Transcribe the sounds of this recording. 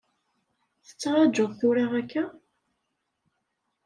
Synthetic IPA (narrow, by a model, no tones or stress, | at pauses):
θə̥t͡sːɑɾˤɑd͡ʒʊðˤθʊɾɑʁækːæ